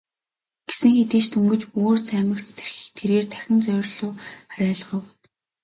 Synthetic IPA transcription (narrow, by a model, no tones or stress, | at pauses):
ɡ̥esɘ̆ŋxet̪iːt͡ɕt̪ʰɵŋɡɘ̆t͡ɕoːrt͡sæːmə̆kt͡sʰt̪ʰe̥rxit̪ʰeɾeːrt̪ʰæ̥xʲɪ̆nt͡sœːrɮʊːχaɾʲæːɮ̆ʁə̆w